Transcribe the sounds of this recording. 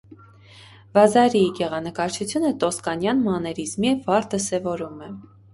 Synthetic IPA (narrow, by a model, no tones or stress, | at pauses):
vɑzɑɾiiɡɛʁɑnəkɑɾt͡ʃʰut͡sʰjunət̪ɔskɑnjɑnmɑnɛɾizmivɑɾd̪əsɛvɔɾumɛ